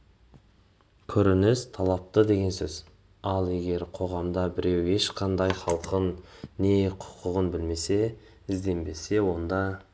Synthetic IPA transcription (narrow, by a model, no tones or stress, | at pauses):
kʲʰɵɾɪnɪst̪ʰɑlˠɑp̚t̪əd̪e̞ɡʲe̞nsɵz̥ | ɑlˠe̞ɡʲe̞ɾqʰo̞ʁɑmd̪ɑbɪɾe̞we̞ʃqʰɑnd̪ɑjχɑlˠqənːe̞qʰʊ̥qəʁənbɪlme̞se̞ | ɪzd̪e̞mbe̞se̞wo̞nd̪ɑ